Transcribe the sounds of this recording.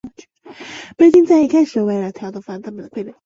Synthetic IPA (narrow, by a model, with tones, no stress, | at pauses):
pe˥t̪i˥ŋt͡sa˥˩ɪi˧˥kʰa˥˩ɪʂə˧˥we˧˥ɪlə˧˩t̪ʰja˧˥ʊt̪ə˧˩fa˥nt̪ʰa˥mə˨d̪ə˧kʰwe˥˩ə˧˩